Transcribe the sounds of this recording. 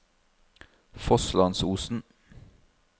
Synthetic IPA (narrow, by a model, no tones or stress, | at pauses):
fɔslɑnsuːsn̩